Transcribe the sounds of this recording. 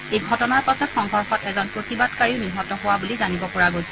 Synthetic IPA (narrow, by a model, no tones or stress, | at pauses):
ejɡʱɔtɔnaɹpasʰɔtxɔŋɦɔɹxɔtɛzɔnpɹotibadkaɹiʊniɦɔtɔɦʊwabulizanibɔpɔɹaɡojsɛ̥